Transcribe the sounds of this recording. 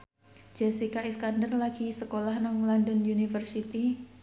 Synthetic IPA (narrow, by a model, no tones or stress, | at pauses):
d͡ʒ̥ɛsikaiskandərlaɡ̥isəkolahnɔŋlɔndɔnjunifərsit̪i